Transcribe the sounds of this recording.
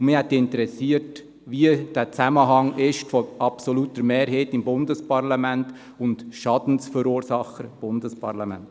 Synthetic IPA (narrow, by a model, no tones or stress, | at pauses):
ʊmɪːhɛtdiɪntəɾɛsiət | viəd̥æːt͡sæməɦɑŋɪʃtfɔɑpsɔluːtəɾmeːɾɦeːtɪmbʊndəspɑɾlɑmænt | ʊntʃɑdn̩sfəɾuːəɾsɑχəɾb̥ʊndəspɑɾlɑmæ̰nt